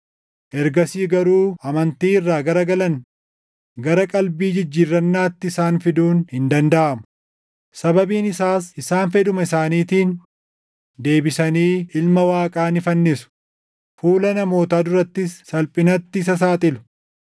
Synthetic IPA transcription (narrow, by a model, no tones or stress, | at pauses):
ʔɛɾɡɐsiːɡɐɾuːɐmɐnt̪iːɪrːaːɡɐɾɐɡɐlɐn | ɡɐɾɐkʼɐlbiːd͡ʒɪd͡ʒːiːrːɐnːaːt̪ːɪɪsaːnfɪd̪uːnhɪnd̪ɐnd̪ɐʔɐmʊ̥ | sɐbɐbiːnɪsaːsɪsaːnfɛd̪ʊmɐɪsaːniːt̪iːn | d̪e̞ːbɪsɐniːɪlmɐwaːkʼaːnɪfɐnːɪsʊ̥ | fuːlɐnɐmo̞ːt̪aːd̪ʊɾɐt̪ːɪsːɐlpʼɪnɐt̪ːɪːs̬ɐs̬aːt̪ʼɪlʊ̥